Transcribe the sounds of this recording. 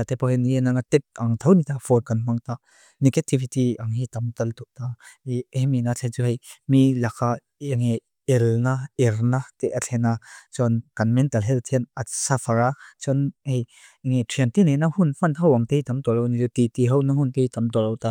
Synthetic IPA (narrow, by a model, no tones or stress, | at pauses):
at̪ɛpawhɛniɛnaŋat̪ɛt̚ɐŋt̪ʰɐwnit̪afɔt̚kɐnm̥aŋt̪a | nikɛtʰːifit̪iɐŋhit̪ɐmt̪ɐlt̪uʔ̚t̪ahɛminat͡ɬʰɛnt͡suɦejmilakʰa | iŋe | ɛlnaɛɾnat̪ɛʔat͡ɬʰɛnat͡sɔnkɐnmɛntɐlɦɛlt̪ʰɛnasafɐɾat͡sɔnhej | ŋetʰiɐnt̪inenahunm̥ɐnɦɐwɐŋt̪ejt̪ɐmt̪ɔlɔwnit͡sut̪it̪iɦɐwnɐɦunt̪ejtɐmt̪ɔlɔwt̪a